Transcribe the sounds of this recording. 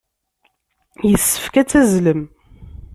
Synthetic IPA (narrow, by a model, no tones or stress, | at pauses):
jəsːə̥fkæt͡sːæzləm